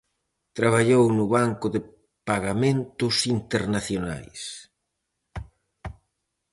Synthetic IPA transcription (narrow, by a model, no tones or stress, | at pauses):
t̪ɾaβaʎownʊβaŋkʊðe | paɣamẽnt̪ʊsint̪eɾnaθjona̰js